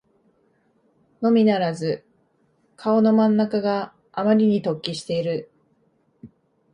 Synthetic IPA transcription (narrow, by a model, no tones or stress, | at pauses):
no̞mʲinaɾazɨ | kʰao̞no̞mãnːakaɡaː | maɾʲiɲ̟it̪o̞kʲːiɕi̥t̪e̞iɾɯ̟